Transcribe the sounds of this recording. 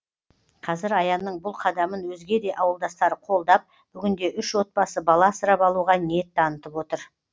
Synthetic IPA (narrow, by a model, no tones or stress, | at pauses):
qʰɑzɪɾɑjɑnːəɴbʊlˠqʰɑd̪ɑmənwɵzɡʲe̞d̪e̞ʔɑwəlˠd̪ɑst̪ɑɾəqʰo̞lˠd̪ɑp̚ | b̥ʏɡʲɪnd̪e̞ʔʏʃwo̞t̪̚pɑsəbɑlˠɑsəɾɑpɑlˠuʁɑne̞t̪ːɑnət̪əpwo̞t̪əɾ